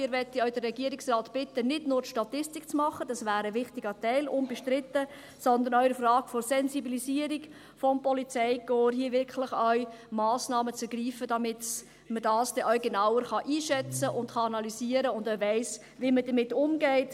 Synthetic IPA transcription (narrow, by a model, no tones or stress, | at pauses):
mɪːɾʋɛt̪ːəœʏd̥ərːɛɡiəɾɪksrɑːtb̥ɪtːənɪdnʊːɾtʃtɑtɪstikt͡smɑχəd̥ɑsʋæːɾəvɪχtiɡətɛɪlʊnbɛʃtɾɪtːə | sɔnd̪ənœʏɾəfrɑːɡ̥fɔɾsɛnzibilisiəɾik | fɔmpɔlit͡sɛɪkoːɾɦiəvɪɾkχlɪχœʏmɑːsnɑːmət͡sɛɾɡ̥riːfəd̥ɑmɪt | mədɑːsd̥ɛʔœʏɡenaʊwəɾχɑʔiːʃɛt͡səʔʊntχɑɑnɑliziːəɾəʊndœɥvæɪs | ʋimədəmɪtːʊmɡɛɪt